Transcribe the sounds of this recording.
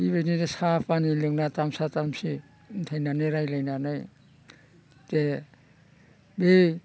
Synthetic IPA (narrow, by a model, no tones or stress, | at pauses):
iβenidesapʰanilɯŋnatamsatamsi | tʰajnanɯɾajlajnanɯj | te | bej